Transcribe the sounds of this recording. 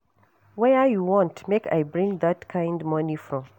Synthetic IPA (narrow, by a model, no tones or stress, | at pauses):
wɛajuwɔ̃ntmeka̰jbɹĩŋðatkʰãɪ̃ndmʌnifɹɔ̃m